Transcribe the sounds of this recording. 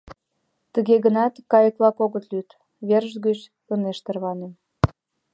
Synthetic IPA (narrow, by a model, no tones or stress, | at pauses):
t̪əɣeɣənɑt̪kɑjəklˠɑkoɣət̪lyt̪ | βerʒɡət͡ɕ | əneʃt̪ərβɑnem